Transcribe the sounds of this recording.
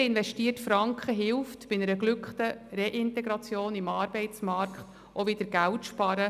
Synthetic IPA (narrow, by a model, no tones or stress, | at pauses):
ɪnvɛʃtiːərtfɾɑŋkχəɦɪwftb̥ɪnɛɾəɡlʏkχt̪əɾeʔɪntɛɡɾɑt͡sjoːnimɑːɾb̥ɛɪt͡smɑrkχt | ʔovɪd̥̪əɾɡ̥æwtʃpɑɾə